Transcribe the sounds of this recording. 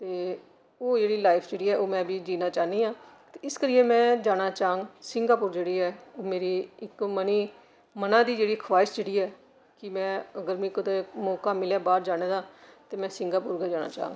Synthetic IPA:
t̪eː | oːd͡ʒeːɽiːlaːɪpʰd͡ʒeːɽiːɛːoːmɛ̃ːbiːd͡ʒiːnaːt͡ʃaːniːãːt̪eːɪskəɾiːẽːmɛ̃ːd͡ʒaːñaːt͡ʃaːəŋɡsɪŋɡaːpʊːɾd͡ʒeːɽiːɛːoːmeːɾiːɪkməniː | mənãːd̪iːd͡ʒeːɽiːkʰʋaːɪsd͡ʒeːɽiːɛː | kɪmɛ̃ːəɡəɾmĩːkət̪eːmɔːkãːmɪljãːbaːɾd͡ʒaːɽ̃ẽːd̪aːt̪eːmɛ̃ːsɪŋɡaːpʊɾɡɛːd͡ʒaːña̰ːt͡ʃã̰ːŋɡ

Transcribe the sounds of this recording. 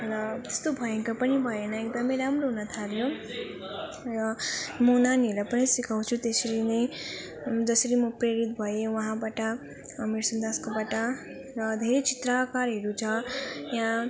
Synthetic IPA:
ɾʌt̪est̪obʱʌjeŋkapʌnibʱʌjenʌek̚d̪ʌmʌjɾamɾoɦunʌt̪ʰaljo | ɾʌmʌunanɦelapʌnisikʰaw̃t͡sʰut̪esʌɾinʌj | d͡zʌsʌɾimʌpɾeɾit̪̚bʱʌjewʌɦãbaʈʌː | miɾsʌnd̪askabaʈʌ | ɾʌd̪ʱeɾet͡sit̪ɾakaɾɦeɾut͡sʰʌjaɦã

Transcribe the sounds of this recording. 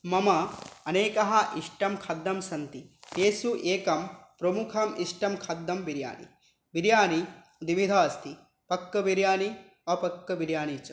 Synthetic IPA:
mɐmɐɐneːkɐɦɐʔiʂʈɐmkʰɐd̪ːɐmsɐnt̪ieːsuʔeːkɐmpɾɐmukʰɐmiʂʈɐmkʰɐd̪ːɐmʋiɾja̰ːnḭ | ʋiɾjaːni | d̪iʋid̪ʱaːst̪ʰi | pɐkːɐʋiɾjaːni | ɐpɐkːɐʋiɾjaːnit͡ʃɐ

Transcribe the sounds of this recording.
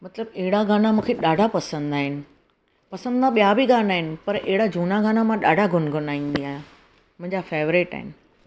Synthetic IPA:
mɐt̪ləbeɦɪɽaɡãːnamũːkʰeɗaːɖʱapɐsə̃nd̪aːɦɪnɪ̆ | pɐsə̃nd̪ãɓijabʱiɡaːnaːɦɪnɪ̆pɐɾeɦɪɽad͡ʑʱuːnaɡãːnamãɗaːɖʱaɡʱʊnɡʱʊnaːĩːn̆d̪iaːɦjã | mʊ̃ɦɪ̃ɲd͡ʑafeːʋɾeʈa̰ːɦɪ̰nɪ̆

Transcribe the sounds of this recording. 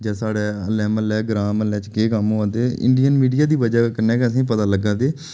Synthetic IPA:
d͡ʒãːsaːɽɛːəlɛːməlɛːɡɾãːməlɛːt͡ʃkeːkəmoːãːnd̪eːɪ̰̃ɳɖijənmiːɖijaːd̪iːʋəd͡ʒaːkəɾnɛ̃ːkeəs̬ĩːp̬ət̪aːləɡãːd̪eː

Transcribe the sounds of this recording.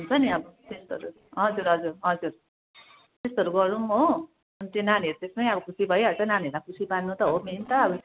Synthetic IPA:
ɦunt͡sʰʌniʌbʌt̪est̪oɾu | ɦʌd͡zuɾɦʌd͡zurɦʌd͡zuɾ | t̪est̪oʌɾuɡʌɾuo | ʌnit̪ẽnaniʌɾut̪espʌniʌbʌkʰusibʱʌjɦʌt͡sʌnanieɾmakʰusibanːut̪ʌɦoment̪ʌːbʌ

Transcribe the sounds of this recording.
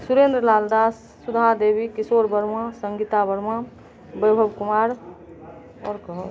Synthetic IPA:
suɾeːnd̪ɾəlaːld̪aːsːud̪ʱad̪eːbikɪsoːɾbəɾmãsəŋɡit̪abəɾmã | bəjbʱəbkʊmaːɾ | ɔːɾkəɦ

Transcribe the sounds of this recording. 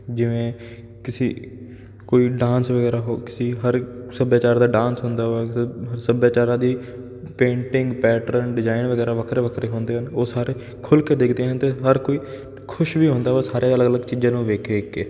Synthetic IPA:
d͡ʒɪʋẽː | kɪsiː | koːiːɖãːnsʋəɡɛːɾaːɦoːkɪsiːɦəɾsəbjaːt͡ʃaːɾd̪aːɖãːnsɦʊ̃nd̪aːʋaːsəbjaːt͡ʃaːɾãːd̪iː | pẽːɳʈɪŋɡpɛːʈəɾənɖɪzaːɪnʋəɡɛːɾaːʋəkʰɾeːʋəkʰɾeːɦõːnd̪eːɦənoːsaːɾeː | kʰʊlkeːd̪ekʰd̪eːɦənt̪eːɦəɾkoːiː | kʰʊʃʋiːɦʊ̃ːnd̪aːʋɛːsaːɾeələɡələɡt͡ʃiːd͡ʒãːnũːʋeːkʰeːkːeː

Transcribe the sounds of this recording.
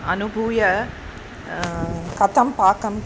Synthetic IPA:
ɐ̰nubʱujɐ | kɐt̪ːɐmpaːkɐm

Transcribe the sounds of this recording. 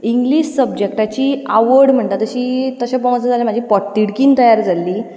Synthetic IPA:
iŋɡliɕsəb̚d͡ʑek̚ʈat͡ɕiːa̰ʋəɽm̤əɳt̪at̪əɕiːt̪əɕap̬əmt͡səd͡zaljam̤ad͡ʑʱiːpɔʈ̚t̪iɽkiːnt̪əjaɾd͡zalːiː

